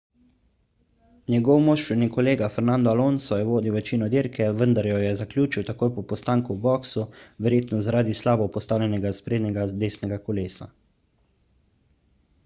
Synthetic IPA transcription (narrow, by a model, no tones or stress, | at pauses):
njɛɡɔwmɔʃɾunikɔleːɡafɛɾnand̪ɔaloːnsɔjɛʋoːd̪iwʋɛt͡ʃiːnɔd̪iːɾkʰɛʋənd̪aɾjɔjɛzakljuːt͡ʃiwt̪akoːjpɔpɔst̪aːŋkubɔːksuʋɛɾjeːt̪nɔzaɾaːd̪islaːbɔpɔst̪aːwlʲɛnʲɛɡaspɾeːd̪nʲɛɡad̪eːsnɛɡakɔleːsa̰